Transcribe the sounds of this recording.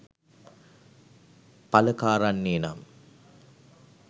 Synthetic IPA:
pɐləkaːɾanːeːna̰m

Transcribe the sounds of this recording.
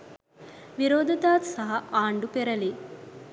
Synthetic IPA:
ʋiɾoːd̪ʱɐt̪aːt̪sɐɦɐʔaːɳɖupeɾɐli

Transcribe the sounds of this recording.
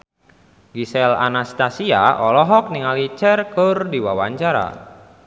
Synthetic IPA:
ɡisɛla̰nast̪asia̰ʔɔlɔɦɔk̚niŋalit͡ʃɛrkərdiwawaɲt͡ʃaɾa̰

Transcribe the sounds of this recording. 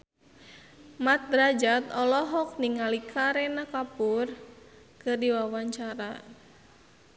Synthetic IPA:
mat̪̚ɾad͡ʒat̪ɔlɔɦɔk̚niŋalikʰaɾɛnakapur | kɨrdiwawaɲt͡ʃaɾa

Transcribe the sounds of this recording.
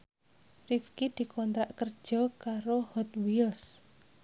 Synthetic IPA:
rifkid̪̥i̤kʰɔnt̪ɾaʔkərd̥ʒ̥ɔ̤kaɾohɔt̪wils

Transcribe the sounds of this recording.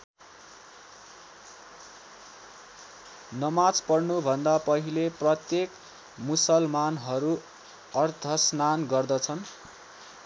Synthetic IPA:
nʌmat͡spʌrnubʱʌnd̪apʌɦileprʌt̪jek | musʌlmanɦʌɾu | ʌrt̪ʰʌsnanɡʌrd̪ʌt͡sʰʌn

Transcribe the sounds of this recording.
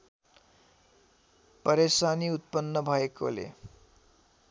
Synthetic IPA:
pʌɾesaniut̪̚pʌnːʌbʱʌeko̰lḛ

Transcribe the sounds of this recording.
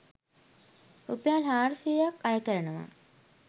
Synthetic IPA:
upjaːlɦaːɾsijəjakajəkəɾənəʋa̰

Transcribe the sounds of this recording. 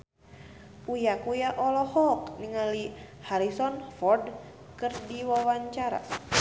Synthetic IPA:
ujakujaʔɔlɔhɔk̚niŋali | haɾisɔnfɔrd | kɨrdiwawaɲt͡ʃaɾa̰

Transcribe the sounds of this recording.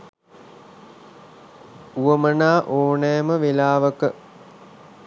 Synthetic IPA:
uəmənaːʔoːnɛːməʋelaːʋəkə

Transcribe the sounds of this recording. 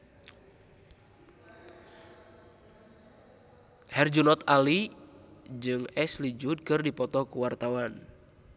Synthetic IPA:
hɛrd͡ʒunɔt̪ali | d͡ʒɨŋɛslid͡ʒud̪̚kɨrdipɔt̪ɔkuwart̪awan

